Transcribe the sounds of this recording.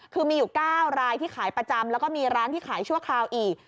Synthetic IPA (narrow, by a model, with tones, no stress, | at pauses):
kʰɯː˧miː˧juː˨˩kaː˥˩wɾaː˧jt̪ʰiː˥˩xʰaː˩˦jpɾa˧t͡ɕa˧mlɛː˦˥wkɔː˥˩miː˧ɾaː˦˥nt̪ʰiː˥˩kʰaː˩˦jt͡ɕʰu˥˩əkʰɾaː˧wʔiː˨˩k̚